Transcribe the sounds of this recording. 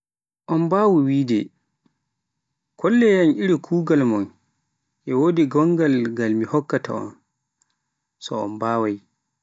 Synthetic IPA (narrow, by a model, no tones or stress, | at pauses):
ʔɔnbaːwuwiːdɛ | kʰɔlːɛjanʔiɾikʰuːɡalmɔn | ʔɛwodiɡɔŋɡalɡalmihɔkːata̰ɔ̰n | sɔɔ̰nbaːwaj